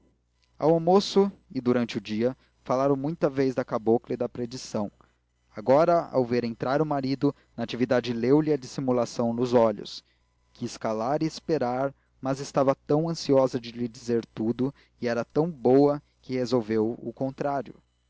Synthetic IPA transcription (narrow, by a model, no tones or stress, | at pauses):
a̰wamosʊɪd̪uɾɐ̃nt͡ʃɪʊd͡ʒiɐ | falaɾɐ̃w̃mũj̃t̪ɐvejzd̪ɐkaboklɐɪd̪ɐpɾed͡ʒisɐ̃w̃ | aɡɔɾɐa̰wveɾẽnt̪ɾaɾʊmaɾid̪ʊ | nɐat͡ʃivid̪ad͡ʒɪlewlɪɐd͡ʒisimulasɐ̃w̃nʊzɔʎʊ̰s | kɪskalaɾɪːspeɾaɾ | mɐzɪst̪avɐt̪ɐ̃w̃ɐ̃siɔzɐd͡ʒɪlɪd͡ʒizeɾt̪ud̪ʊ | ɪɛɾɐt̪ɐ̃w̃bowɐ | kɪhezowvewʊkõnt̪ɾaɾjʊ̰